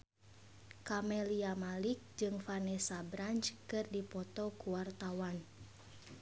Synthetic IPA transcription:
kamɛliamalik̚d͡ʒɨŋfanɛsabɾant͡ʃkɨrdipɔt̪ɔkuwart̪awan

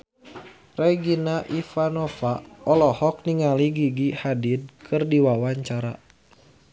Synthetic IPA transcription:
rɛɡinaʔifanɔfaɔlɔhɔk̚niŋaliɡiɡihadid̚kʰɨrdiwawaɲt͡ʃaɾa

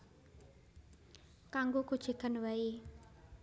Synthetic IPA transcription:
kaŋɡokud̥ʒ̥i̤kanwai

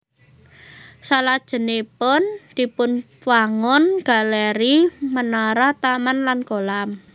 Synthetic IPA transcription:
salad̥ʒ̥ə̤nepʊnd̪̥i̤pʊn | waŋɔnɡ̥a̤lɛɾimənaɾaht̪amanlanɡ̥olam

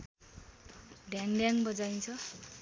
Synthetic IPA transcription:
ɖjaŋɖjaŋbʌd͡zajnt͡sʰʌ

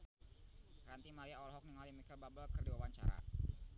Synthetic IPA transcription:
ɾant̪imaɾiaɔlɦɔk̚niŋɔlamikəlbabəlkərdiwawaɲt͡ʃa̰ɾa̰

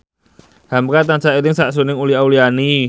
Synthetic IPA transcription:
hamkat̪ant͡ʃaiɾɪŋsaʔs̬unɪŋuliauliani

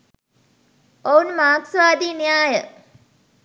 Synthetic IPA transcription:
ounmaːksʋaːd̪iːnijaːjə

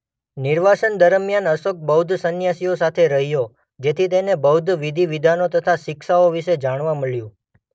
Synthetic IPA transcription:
nɪɾʋaʃənd̪əɾəmjanəsok̚bəwd̪ʱsənjasiosat̪ʰeɾəɦijo | d͡ʒet̪ʰit̪enebəwd̪ʱʋid̪ʱiʋid̪ʱanot̪ət̪ʰaʃɪkʃaoʋiʃed͡ʒaɳ̃ʋaməɭjũ

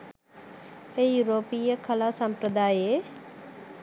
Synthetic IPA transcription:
ejuːɾoːpiːəkʰəlasəmpɾəd̪aːeː

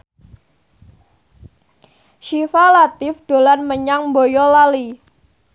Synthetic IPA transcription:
ʃifalat̪ɪfɖ̥o̤lanməɲaŋbojɔlali

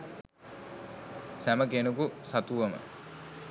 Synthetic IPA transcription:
sæməkenukusat̪uʋɐmə̰

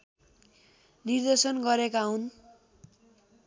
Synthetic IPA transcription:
nird̪ʌsʌnɡʌɾekaɦun

